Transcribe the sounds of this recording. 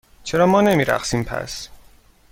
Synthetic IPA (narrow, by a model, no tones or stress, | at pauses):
t͡ʃʰeɾɒːmɒːne̞miːɾæ̰χsiːmpʰæ̰s